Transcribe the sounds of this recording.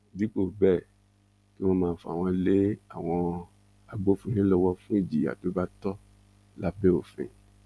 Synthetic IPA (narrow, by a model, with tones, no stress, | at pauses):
di˨˦k͡po˦˨bɛ˦˨ | ki˦w̃ɔ̃˧mãː˧˦fɔ˨a̰˨w̃ɔ̃˧le˦a˦˨w̃ɔ̃˧ | a˨ɡ͡bo˦fũ˧˦nĩ˦lɔ˧wɔ˧fũ˦i˦˨d͡ʒi˨a̰˨to˨˦ba˦tɔ˦ | la˨˦be˦o˨fḛ̃˧